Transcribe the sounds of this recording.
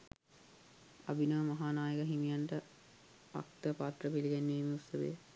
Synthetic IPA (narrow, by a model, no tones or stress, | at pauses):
a̰binəʋəmaɦaːnaːjəkəɦimijaɳʈə | a̰k̚t̪əpaːt̪rəpiliɡenːeːmiusːəʋḛː